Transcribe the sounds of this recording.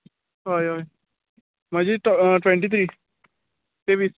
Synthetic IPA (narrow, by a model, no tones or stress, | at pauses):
ɦojoj | mãd͡ʒiʈʈwɛ̃ɳʈiːt̪ʰɾiː | t̪eʋis